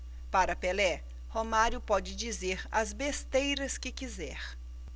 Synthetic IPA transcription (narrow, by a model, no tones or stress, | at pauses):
paɾɐpelɛ | homaɾjʊpɔd͡ʒɪd͡ʒizeɾɐzbest̪ejɾɐskɪkizɛɾ